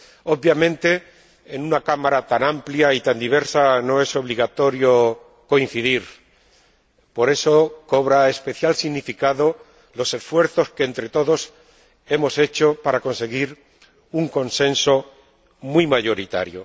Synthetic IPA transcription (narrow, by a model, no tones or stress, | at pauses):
o̞ββjamẽ̞nt̪e̞ː | nunakamaɾat̪anampljait̪and̪iβe̞ɾsano̞e̞so̞β̞liɣ̞at̪o̞ɾjo̞ | ko̞in̟θiðiɾ | po̞ɾe̞so̞ko̞βɾaespe̞θjalsiɣnifikaðo̞ | lo̞se̞sfwe̞ɾθo̞ske̞ːnt̪ɾe̞t̪o̞ðo̞s | e̞mo̞se̞t͡ʃo̞paɾako̞nse̞ɣ̞iɾ | uŋko̞nsẽ̞nso̞ | mwijmaʝo̞ɾit̪a̰ɾjo̞̰